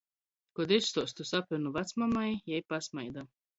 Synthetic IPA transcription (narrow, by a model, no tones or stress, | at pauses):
kɔd̪ist̪ɔːst̪usapunuvat̪smamajjɛjpasmajd̪a